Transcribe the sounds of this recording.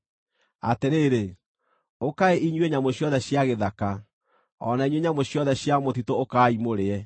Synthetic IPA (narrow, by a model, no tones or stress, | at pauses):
a̰teɾeːɾe | okaeʔiɲweɲamoɕjɔðɛɕjaɣeðaka | ɔ̰naiɲweɲamoɕjɔðɛɕjamotitookaːimoɾeɛ